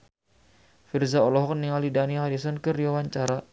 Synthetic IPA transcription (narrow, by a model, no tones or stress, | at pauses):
firzaɔlɔɦɔk̚niŋalidaniɦaɾisɔnkəɾiwawaɲt͡ʃaɾa